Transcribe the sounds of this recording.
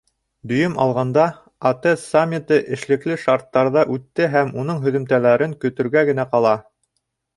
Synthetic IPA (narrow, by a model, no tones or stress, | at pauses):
d̪ɵ̆jɵmɑ̰lˠʁɑnd̪ɑ | ɑt̪ɤsːamʲːit̪ɤʔɘ̆ʃlɘ̆klɘʃɑɾt̪ːɑɾðɑʔʉt̪ːɘɦæmunɤɴɦɵ̆ðɵ̆mt̪ælæɾɘŋkɵ̆t̪ɵ̆ɾɡæɡɘ̆n̪æqɑlˠɑ